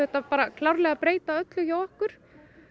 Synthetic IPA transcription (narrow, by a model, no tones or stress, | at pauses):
hɛht̪apaːɾakʰlawɾlɛɣapɾeːjt̪aœt̪lʏçawɔhkʏɾ̥